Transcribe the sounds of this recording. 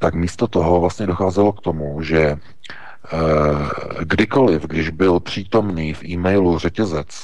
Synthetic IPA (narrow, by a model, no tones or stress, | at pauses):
t̪akmiːst̪ot̪oɦo̞vlast̪ɲɛdoxaːzɛlo̞kt̪o̞muʒɛ | ɡdɪko̞lɪfɡdɪʒbɪlpr̝̥iːt̪o̞mniːfʔiːmɛjlur̝ɛcɛzɛt͡s